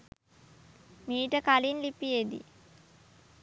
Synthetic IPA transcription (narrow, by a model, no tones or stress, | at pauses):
miːʈəkalinlipijed̪ḭ